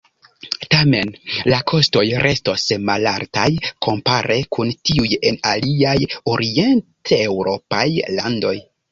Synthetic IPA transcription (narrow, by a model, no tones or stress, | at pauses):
tame̞nlakʰo̞sto̞jɾʔe̞sto̞smalaɾtajkʰo̞mpaɾʔe̞kʰuntiuje̞naliajo̞ɾʔie̞ntewɾo̞pajlando̞j